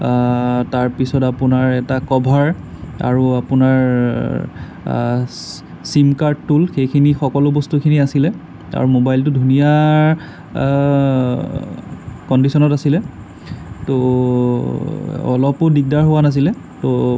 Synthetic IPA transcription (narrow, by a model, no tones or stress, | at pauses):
taɹpisɔtapunaɹɛtakɔbʱaɹ | a̰ɹuapunaɹ | simkaɹdtːulxejkʰinixɔkɔlʊbɔstukʰiniasilɛ | a̰ɹumobajlt̬ʊdʱunija | kɔndisɔnɔtasilɛ | to | ɔ̰lɔpʊdik̚daɹɦowanas̬ilɛ | to